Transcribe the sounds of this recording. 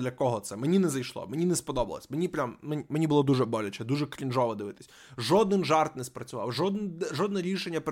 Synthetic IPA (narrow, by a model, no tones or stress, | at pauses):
d̪lʲɐkɔɦɔt̪sɛmenʲinɛzɐjʃlˠɔ̰menʲinɛspɔd̪ɔbɐ̰lˠɐ̰sʲmenʲipɾʲammeimenʲibʊlˠɔd̪uʒɛbɔlʲɐt͡ʃɛd̪uʒɛkɾʲinʒɔʋɔd̪ɪʋɪt̪ɪ̥sʲ | ʒɔd̪nɪnʒɑrt̪nɛspɾɐt͡sʲʊʋɑ̰wʒɔd̪nʒɔd̪nɛɾʲiʃenʲːɐp